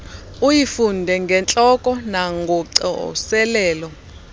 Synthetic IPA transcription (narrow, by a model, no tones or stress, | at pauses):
ujifundʱɛŋɡʱɛnt͡ɬʼɔkʼɔnaŋɡʱɔǀɛɔ̰sɛlɛːlɔ